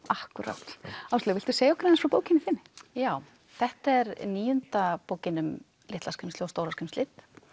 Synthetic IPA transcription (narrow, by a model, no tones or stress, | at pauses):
ahkʏɾa̰t̪awst̪lɪvɪlt̪ʏseːjaɔhkɪɾaðɛnsfɾɔpoːwcɪnːɪθɪnːɪjaːw | θɛht̪aɛɾniːjʏnt̪apowcɪnʏm | lɪt̪laskʰʏmsɪwst̪oːwɾaskʰʏmslɪt̪